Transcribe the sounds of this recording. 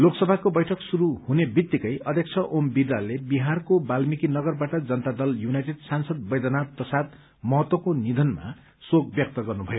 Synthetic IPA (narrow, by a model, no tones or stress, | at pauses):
loksʌbʱakobʌjʈʰʌksuɾuhunebit̪ːikʌjʌd̪ʱjʌk̚t͡sʰʌʔombidalebiɦarkobalmikinʌɡʌrbaʈʌd͡zʌnt̪ad̪ʌljunajʈeɖsansʌd̪̚bʌjd̪ʌnapʌsat̪̚ | mʌɦʌt̪wʌkonid̪ʱʌnma̰ | soɡ̚bjʌk̚t̪ʌɡʌrnubʱʌjo